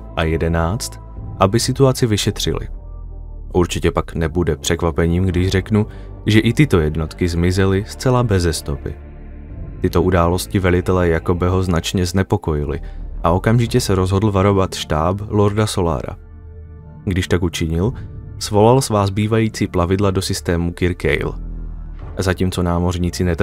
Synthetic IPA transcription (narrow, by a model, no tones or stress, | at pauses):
ʔajɛdɛnaːt͡st̪ | ʔabɪsɪt̪uat͡sɪvɪʃɛt̪r̝̥ɪ̰lɪ̰ | ʔuɾt͡ʃɪcɛpaknɛbudɛpr̥ɛkvapɛɲiːmɡdɪʒr̝ɛknu | ʒɛʔɪt̪ɪt̪o̞jɛdno̞t̪kɪzmɪzɛlɪst͡sɛlabɛzɛst̪o̞pɪ̰ | t̪ɪt̪o̞ʔudaːlo̞scɪvɛlɪt̪ɛlɛːjako̞bɛɦo̞znat͡ʃɲɛznɛpo̞ko̞jɪlɪ̰ʔao̞kamʒɪcɛsɛɾo̞zɦo̞dl̩vaɾo̞vat̪ʃt̪aːblo̞ɾdaso̞la̰ːɾa̰ | ɡdɪʃt̪akut͡ʃɪɲɪlsvo̞lalsvaːzbiːvajiːt͡siːplavɪdlado̞sɪst̪ɛːmukɪɾkɛ̰jl | azaciːmt͡so̞naːmo̞rɲiːt͡sɪnɛt̪